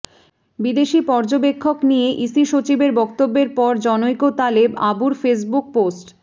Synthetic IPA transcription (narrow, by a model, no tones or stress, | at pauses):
bid̪eʃipɔɾd͡ʑobekʰːoknijeʔisiʃot͡ɕibeɾbɔk̚t̪obːeɾpɔɾd͡ʑɔnojkot̪alebabuɾfes̬buk̚posʈ